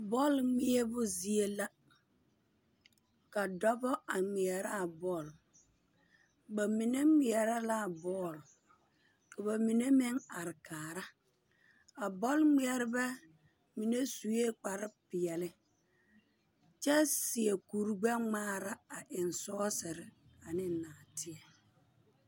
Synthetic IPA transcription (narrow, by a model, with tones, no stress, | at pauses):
bɔ˦˨lmɪ˦ɛ˦bʊ˦zi˦e˦la˦ | ka˨dɔ˦bɔ˦ʔa˨ŋ͡mi˨ɛ˨ɾa˦˨bɔː˦˨l | ba˨mi˨ne˦mi˨ɛ˨ɾa˦la˦˨bɔː˦˨l | ka˨ba˨mi˨ne˦mɪ˦ŋa˨ɾɪ˨kaː˨ɾa˦ | a˨bɔ˦lŋ͡mi˦ɛ˨ɾɪ˦bɛ˦ | mi˨ne˦su˨je˦k͡pa˨ɾɪ˦pɪ˨ɛ˨lɪ˦ | t͡ʃɛ˦sɪ˨e˨ku˨ɾɡ͡bɛ˦ŋ͡maː˦ɾa˦a˨ʔɪ˨nsɔː˦sɪ˨ɾɪ˨a˨nɪ˦naː˨tʰɪ˦ɛ˨